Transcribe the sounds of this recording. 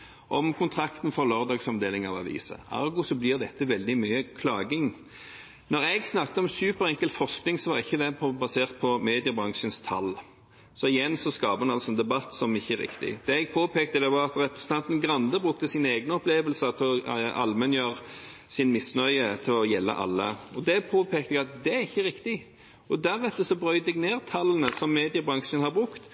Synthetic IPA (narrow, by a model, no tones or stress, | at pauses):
ʔɔmkʰʊnt̪ʰʁɑkt̪n̩fɔʁlɑʁd̪ɑːɡsɑmd̪eːlɪŋɑ̰ʋɑ̰ʋḭːsə̰ɑ̰ɾɡʊsɔblɪʁd̪ɛt̪ːəʋɛld̪ɪmyːəkʰlɑːɡɪŋ | nɔʁɛɡsnɑk̚t̪əɔmsʉːpəɾɛŋkəlt̪fɔʁsknɪŋsɔʋɑʁɪçːəd̪ɛpʰbɑseːʁt̪̚pʰɔmeːd̪ɪəbʁɑŋʂənst̪ʰɑlː | sɔɪjɛnsɔskɑːbəʁʉnɑlsɔɛnd̪ɛbɑt̪ːsɔmɪçːəæɾɪ̰kt̪ɪ̰d̪̥ɛɛɡ̚pʰoːpʰeːkt̪əd̪ɛʋɑʁɑt̪ɾɛpɾɛsən̩t̪ʰɑnt̪n̩ɡʁɑnd̪əbʁʉkt̪əsineːɡnəɔpleːʋəlsət̪ʰɪlɔʔɑ̰lmɛnjøːɾsɪnmɪsnœʏət̪ʰɪlɔjɛlːə̰ʔɑ̰lːə̰ɔd̪ɛpʰoːpʰeːk̚t̪ɛɡɑt̪d̪ɛæɾɪçːəʁɪkt̪ɪ | ɔd̪æɾɛt̪ːəsɔbʁœʏd̪ɛɡneːʁt̪ʰɑlənəsɔmːeːd̪ɪəbʁɑŋʂənhɑbʁʉkt̪